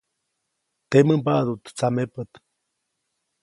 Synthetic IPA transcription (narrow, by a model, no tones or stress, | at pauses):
t̪eməmpaʔd̪ut̪t͡samepət̪